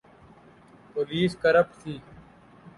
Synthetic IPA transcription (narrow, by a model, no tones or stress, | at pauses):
poːliːskəɾəp̚sʰiː